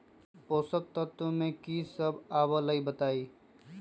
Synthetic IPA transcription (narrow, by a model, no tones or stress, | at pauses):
poːsək̚t̪ət̪omẽkisəbaːwələibət̪aːiː